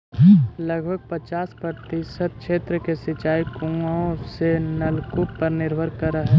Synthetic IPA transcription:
ləɡbʱəɡ̚pət͡ʃaːspəɾt̪isət̪̚kʃeːt̪ɾəkesɪt͡ʃaːikũaõssenɐlkʊpəɾnɪɾbʱəɾkəɾəɦɛ

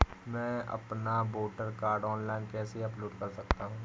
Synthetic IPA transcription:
mɛ̃ːʔɐ̰pnaboːʈəɾkaːɾɖɔːnlaːɪnkɛːseɐploːɖkɐɾsɐkt̪aɦũː

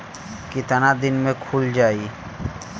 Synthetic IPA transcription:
kɪt̪anad̪ɪnmẽkʰuld͡ʒaːi

